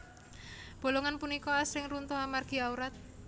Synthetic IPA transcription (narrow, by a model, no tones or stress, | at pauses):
b̥o̤loŋanpunikɔasɾɪŋrunt̪ɔhɦamarɡ̥i̤auɾat̪̚